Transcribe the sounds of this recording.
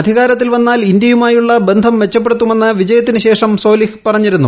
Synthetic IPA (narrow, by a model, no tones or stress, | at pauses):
ɐd̪ʱiɣaːɾɐt̪ːilʋenːaːlindjɐjumaːjuɭːɐbe̞nd̪ʱɐmʋe̞t͡ɕːɐp̬ːe̞ɽt̪ːume̞nːɨʋid͡ʑɐjɐt̪ːinɨɕe̞ːʂɐmso̞ːlihpɐrɐɲːiɾunːu